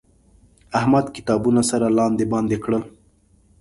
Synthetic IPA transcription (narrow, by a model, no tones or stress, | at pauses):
ahmad̪kɪ̥t̪ɑbunasaɾalɑnd̪ebɑnd̪ekɽəl